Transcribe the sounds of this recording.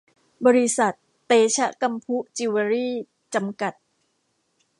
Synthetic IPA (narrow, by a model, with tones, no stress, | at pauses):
bɔː˧ɾi˦˥sa˨˩t̪ːeː˧t͡ɕʰa˦˥ʔka˧mpʰu˦˥ʔt͡ɕi˧wa˧ɾiː˥˩ | t͡ɕa˧mka˨˩t̪̚